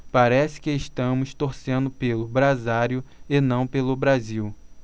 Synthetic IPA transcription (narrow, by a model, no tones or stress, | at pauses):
paɾɛsɪ̥kɪeʃt̪ɐ̃mʊst̪oɾsẽnd̪ʊpelʊbɾazaɾjʊɪnɐ̃w̃pelʊbɾaziw